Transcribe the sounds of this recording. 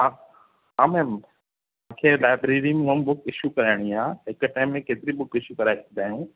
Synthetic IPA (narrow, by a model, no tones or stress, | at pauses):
a | aːmẽm | ãːkʰelaːɪbɾeːɾimũɦəmbʊkɪʃukɐɾaɪɽ̃iaːɦɪkʈaːɪmːẽkeːt̪ɪɾibʊkɪʃukɐɾajd̪aːjũː